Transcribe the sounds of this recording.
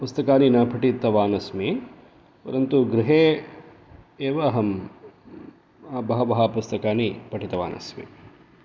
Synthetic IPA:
pust̪ɐkaːninɐpʰɐʈit̪ɐʋaːnɐsmi | pɐ̰ɾɐnt̪uɡɾɪɦeː | eːʋaːɦɐm | bɐɦɐʋɐɦɐpust̪ɐkaːnipɐʈit̪ɐʋa̰ːnʔɐ̰smḭ

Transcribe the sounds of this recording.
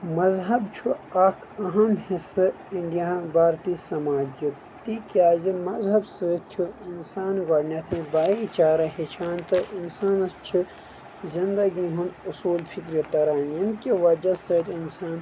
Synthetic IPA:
mɐzɦɐbt͡ʃʰuaːkʰɐɦɐmhisɨ | iɳɖijabʱaːɾt̪isɐmaːd͡ʒi | t̪ikjaːzimɐzɦɐbsɨt͡ʃʰuinsaːnɡɐɽnɐt̪ʰĩbaːit͡ʃaːɾɐɦet͡ʃʰaːnt̪ɨʔinsaːnɐst͡ʃʰi | zind̪ɐɡiɦũnusuːlpʰikɾit̪ɐɾaːnjɐmkiʋɐd͡ʒɐsɐt̪insaːn

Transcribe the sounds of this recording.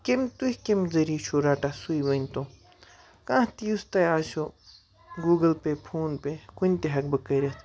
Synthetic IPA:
kemt̪uhʲkemzɐɾit͡ʃʰoɾaːʈasuiʋɐnʲt̪õː | kãːht̪iust̪ɐjaːʃo | ɡuːɡɐlpepʰuːnpekunʲt̪eɦɐk̚bɐkɐɾʲɐt̪ʰ

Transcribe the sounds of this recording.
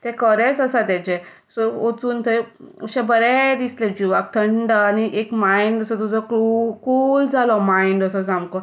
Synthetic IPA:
t̪ɛ̃kəɾɛt͡səsat̪ɛ̃t͡ɕe | sɔot͡suːnt̪ʰəuɕɛbəɾɛd̪isled͡ʑuʋak̚t̪ʰəɳɖəaniʔekmaiɳɖəsɔt̪̬ud͡zɔkukuːld͡zʱalɔmaiɳɖəsɔsamkɔ

